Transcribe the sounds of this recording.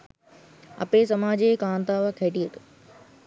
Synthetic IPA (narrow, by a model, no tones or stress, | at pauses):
ɐ̰peːsɐmaːd͡ʑekãːnt̪aːʋkʰeːʈiət̪ː